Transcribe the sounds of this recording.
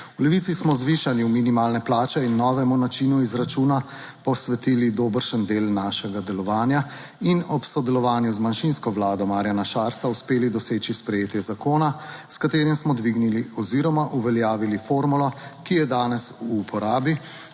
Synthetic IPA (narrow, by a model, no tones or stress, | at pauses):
ulɛʋit̪sismɔzʋiʃaniuminimaːlnɛplaːt͡ʃɛinːɔːʋɛmunat͡ʃinuizɾat͡ʃuːna | pɔsʋɛt̪iːlid̪oːbəɾʃənd̪eːlnaːʃɛɡad̪ɛlɔʋaːnja | inɔpsɔd̪ɛlɔʋaːnjuzmanʃinskɔʋlaːd̪ɔmaːɾjanaʃaːɾsauspeːlid̪ɔseːt͡ʃispɾɛjeːt̪jɛzakoːnaskat̪eːɾimsmɔd̪ʋiɡniliɔziɾɔmaʔuʋɛljaːʋilifoːɾmulɔkijɛd̪aːnɛsuːpʰɔɾaːbi